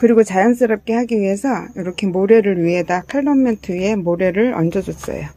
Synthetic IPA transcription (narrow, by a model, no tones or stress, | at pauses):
kɯɾiɡot͡ɕajʌns̬͈ɯɾʌp̚k͈e̞haɡiɥiɦe̞sʰʌjʌɾʌkʰe̞moɾe̞ɾɯɾɥiɦe̞dakʰaɭːʌmentʰɯe̞moɾe̞ɾɯɭʌ̰nd͡ʑʌd͡ʑʌs͈ʌ̰jo